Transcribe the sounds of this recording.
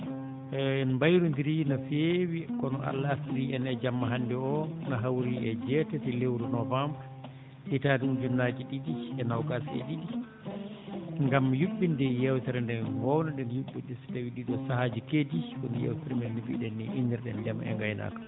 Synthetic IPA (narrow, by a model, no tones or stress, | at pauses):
ɛnmbajɾundiɾinafewikɔnɔʔa̰lːasiɾiɛnɛd͡ʒamːaɦandɛɔnaɦawɾiʔɛd͡ʒɛtɛtɛlewɾunɔvambɾ | ʔitadumd͡ʒunːad͡ʒiɗidiɛnawkasɛ̰ɗiɗi | ŋɡamːjuɓːindɛjɛwtɛɾɛndɛnhɔwnadɛnjuɓːindɛsi̥tawiɗiɗɔsahad͡ʒikediwundijɛ̰wtɛɾɛmɛdibḭɗɛnːɛʔindɛɾɗɛnd͡ʒama̰ɛ̰ŋɡajna̰kḁ